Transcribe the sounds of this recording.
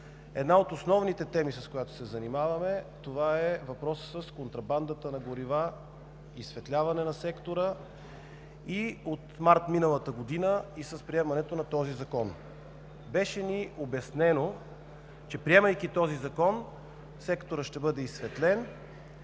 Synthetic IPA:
ɛ̰d̪naot̪osnɔvnit̪ɛt̪ɛmisɐskojat̪o̥sɛzɐnimavɐmɛt̪ovaɛvɐpɾɔssəskont̪ɾɐband̪ət̪ənɐɡoɾiva | isvɛt̪lʲavɐnɛnɐsɛkt̪oɾə | iot̪maɾt̪minəlˠət̪əɡod̪inəisəspɾiɛmɐnɛt̪onɐt̪ɔzizɐkɔn | bɛʃɛniobɐsnɛno | t͡ʃɛpɾiɛmɐjkit̪ɔzizɐkɔn | sɛkt̪oɾəʃt̪ɛbɤd̪ɛisvɛt̪lɛn

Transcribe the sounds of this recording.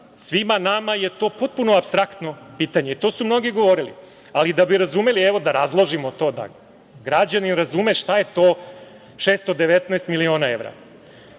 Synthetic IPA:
sʋimanamaje̞t̪o̞ːpo̞t̪̚punoapst̪ɾakt̪no̞piːt̪aɲe̞it̪o̞ːsumno̞ɡiɡo̞ʋo̞ɾilḭ | alid̪abiɾazume̞lieʋo̞d̪aɾazlˠo̞ʒimo̞t̪o̞ːd̪a̰ | ɡɾad͡ʑaninɾazumeʃt̪aje̞t̪o̞ː | ʃeːst̪od̪e̞ʋet̪naest̪milio̞ːnae̞ʋɾa̰

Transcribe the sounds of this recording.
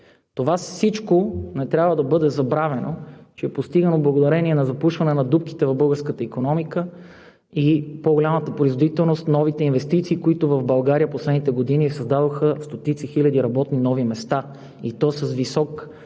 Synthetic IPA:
t̪ovasit͡ʃkonɛt̪ɾʲabvəd̪ɐbɤd̪ɛzɐbɾavɛnot͡ʃɛːpost̪iɡənoblˠɐɡod̪ɐɾɛniɛnɐzɐpuʃvɐnɛnɐd̪up̚ki̥t̪ɛvɐvbɤlˠɡəɾskət̪əikonɔmikə | ipoɡolʲamət̪əpɾoizvod̪it̪ɛlˠnost̪nɔvit̪ɛinvɛst̪it̪siːkoit̪ʊvɐvbɐlˠɡaɾiəposlɛd̪nit̪ɛɡod̪inisɐzd̪ad̪oxəst̪ot̪it̪sixilʲɐd̪iɾɐbɔt̪ninɔvimɛst̪a | it̪ɔsəzvisɔk

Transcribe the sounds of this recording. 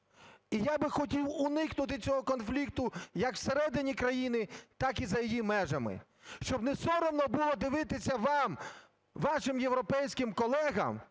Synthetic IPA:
ijabɪxɔtʲiwʊnɪknʊt̪̬ɪt͡sʲɔɦɔkɔnflʲikt̪ʊjɐkw̥seɾɛd̪ɪnʲikɾɐjinɪt̪ɑkizɐjijimɛʒɐmɪ̰ | ʃt͡ʃɔbnesɔɾɔmnɔbʊlˠɔd̪ɪʋɪt̪ɪsʲɐʋɑm | ʋɑʃɪmjewɾɔpɛjsʲkɪmkɔlˠɛɦɐ̰m

